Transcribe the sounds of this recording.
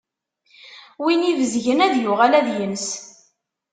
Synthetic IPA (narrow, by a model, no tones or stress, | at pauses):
winivəzʝənæðjʊʁælæðjəns